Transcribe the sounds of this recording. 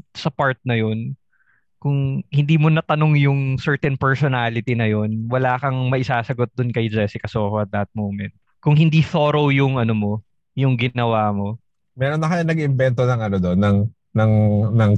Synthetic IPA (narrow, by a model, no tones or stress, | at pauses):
sɐpaɹt̪̚nɐjon | kʊŋhɪnd̪iːmonɐt̪ɐnoŋjʊŋsɛɹt̪ɛnpɛɹsonaːlɪt̪inɐjo̞nwɐlaːkɐŋmɐʔɪsaːsɐɡot̪̚d̪ʊnkɐjd͡ʒɛsɪkɐso̞ːhoʔɐt̪̚d̪ɐt̪̚mowmɛnt̪̚ | kʊŋhɪnd̪iːθoːɾowjʊŋʔɐnomo̞ | jʊŋɡɪnɐwaːmo̞ | mɛɾonːɐkɐjanɐɡɪmbɛnt̪onɐŋɐnod̪onːɐŋ | nɐŋnɐŋ